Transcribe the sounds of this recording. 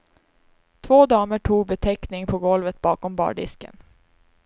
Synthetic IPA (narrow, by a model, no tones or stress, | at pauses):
t̪ʰvoːd̪ɑːməʈʰuːɡ̚bɛt̪ʰɛknɪŋpʰɔɡɔlvət̪̚bɑːkɔmbɑ̰ːɖɪ̰skə̰n